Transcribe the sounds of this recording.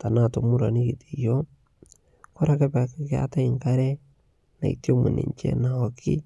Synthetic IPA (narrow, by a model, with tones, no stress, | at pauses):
ta˨na˦to˨mu˦ɾa˨ni˦ki˨ti˨jo˦ | ko˦ɾa˨ke˦pa˨ki˦kɪ˦a̰˦ta˦i˨ŋka˦ɾɛ˦ | na̰˨ḭtjo˦mṵ˨nḭ˨ɲt͡ʃɛ̰˦na˨ɔ˨kʰi˦